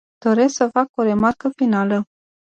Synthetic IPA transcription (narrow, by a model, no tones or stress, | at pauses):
d̪̥o̞ɾe̞sksəfako̞ɾe̞markəfinalə